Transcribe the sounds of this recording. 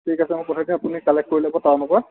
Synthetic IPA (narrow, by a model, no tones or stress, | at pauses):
tʰikasɛmõpɔtʰadĩapunikalɛkkoɹilabɔtawnɔpɔɹ